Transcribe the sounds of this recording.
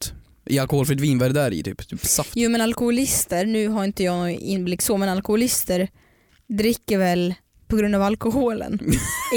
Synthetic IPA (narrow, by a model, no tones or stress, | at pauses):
t̪ | ʔɪalkʊhoːlfɾɛt̪viːnvæɖd̪æɾɪ̰t̪ʰy̰ːpt̪ʰyːpsafjuːmɛnalkʊhʊlɪst̪əɾnʉ̟ːɦaɾɪnt̪əjɑːɡnɔɪ̰nːblɪkːsɔmɛnalkʊhʊlɪst̪əɾ | d̪ɾɪkːəɾvɛl | pʰɔɡɾɵnd̪aːvalkʊɦuːlə̰n